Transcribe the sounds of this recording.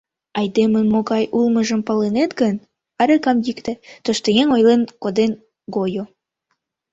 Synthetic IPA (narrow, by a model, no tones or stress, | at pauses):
ɑjd̪emənmoɣɑjʔulməʒəmpɑlenet̪ɡən | ɑɾekɑmjikt̪et̪oʃt̪ojeŋojlenkod̪en | ɡojo